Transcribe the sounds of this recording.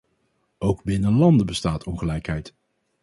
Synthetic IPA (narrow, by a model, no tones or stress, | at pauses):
owɡbɪnəlɑndəbəstaːtʰɔnχəlɛjkɦɛjt